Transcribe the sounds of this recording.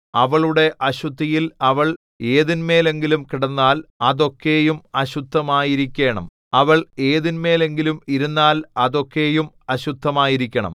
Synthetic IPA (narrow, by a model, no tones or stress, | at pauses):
ɐʋɐɭuɽe̞ʔɐɕud̪ʱːijilɐʋɐɭ | e̞ːðinme̞ːle̞ŋɡilumkiɽɐnːaːlɐðo̞kːe̞ːjumɐɕud̪ʱːɐmaːjiɾikʲːe̞ːɳɐ̰m | ɐʋɐɭe̞ːðinme̞ːle̞ŋɡilumiɾunːaːlɐðo̞kːe̞ːjum | ɐɕud̪ʱːɐmaːjiɾikʲːɐɳɐ̰m